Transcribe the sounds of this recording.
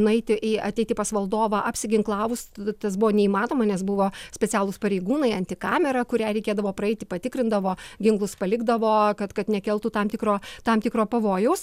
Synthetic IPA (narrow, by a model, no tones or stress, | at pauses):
nʊɛɪt̪ʲɪʔiɐt̪ʲɛɪt̪ʲɪpɐsʋɐlˠd̪oːʋɐʔɐpʲsʲɪɡʲɪŋklˠɑːʋʊst̪ɐsbʊʋoːnʲɛiːmɑːnoːmɐnʲɛsbʊʋoːsʲpʲɛt͡sʲæːlˠʊspɐɾʲɛɪɡuːnɐɪɐnʲt̪ʲɪkɑːmʲɛɾɐkʊɾʲæːɾʲɛɪkʲeːd̪ɐʋoːpɾɐɛɪt̪ʲɪpɐt̪ʲɪkɾʲɪnd̪ɐʋoːɡʲɪŋklˠʊspɐlʲɪɡd̪ɐʋoːkɐt̪kɐt̪nʲɛkʲɛlˠt̪uːt̪ɑmt̪ʲɪkɾoːt̪ɐmt̪ʲɪkɾoːpɐʋoːjɛʊs